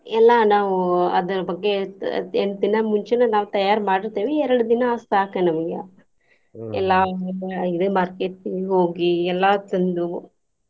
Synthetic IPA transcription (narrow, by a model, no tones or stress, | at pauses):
ɛlːɐnaːʋuɐ̰d̪ɐɾɐbɐɡːe̞end̪inɐmuɲt͡ʃenɐnaːʋut̪ɐjaːɾmaːɽiɾt̪eːʋiɛɾɐɽud̪inɐast̪aːkɐnɐmɐɡḛ | ɛlːaːid̪emaːɾkeːʈiɦoːɡiɛlːaːt̪ɐnd̪u